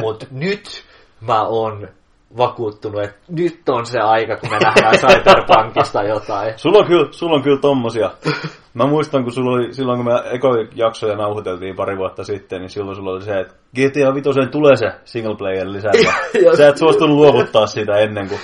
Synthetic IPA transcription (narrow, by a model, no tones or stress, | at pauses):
mut̪nyt̪ | mæoːn | ʋɑkuːt̪ːunuet̪nyt̪ːonseɑikɑkuænæhæsɑitɑrpɑŋkist̪ɑjot̪ɑisulːoŋkylsulːoŋkylt̪omːosiɑ | mæmuist̪ɑŋkusulːolisilːoŋkumæekoijɑksojɑnɑuhut̪elt̪iːmpɑriʋuɑt̪ːɑsit̪ːenisilːosulːoliseet̪ | ɡ̥et̪eɑʋit̪osent̪ulesesiŋːlpleierlisæt̪æsæˑet̪suɑst̪unuluokut̪ːɑːssit̪æenːeŋku